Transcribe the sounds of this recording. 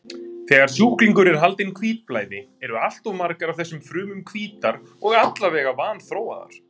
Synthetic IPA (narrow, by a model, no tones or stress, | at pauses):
θɛːɣaɾ̥suːkliŋkʏɾɛɾ̥ɦalt̪ɪnkʰviːt̪̚plaːjðɪ | ɛɾʏal̥t̪omaɾkaɾawθɛsːʏmfɾʏːmʏmkʰviːt̪aɾ | ɔɣat̪lavɛːɣavaːnθɾoːwa̰ða̰ɾ̥